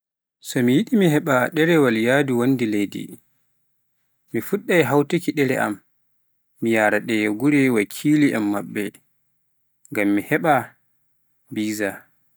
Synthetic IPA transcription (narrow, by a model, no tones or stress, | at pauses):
sɔmijiɗimiɦɛɓaɗɛɾɛwaljaːduwandilejdḭ | mifuɗːajɦawtikiɗɛɾɛʔa̰mː | ijaːɾaɗɛjɡuɾɛwakʰiːliʔɛ̰mːabːɛ | ŋɡamːihɛɓa | biːza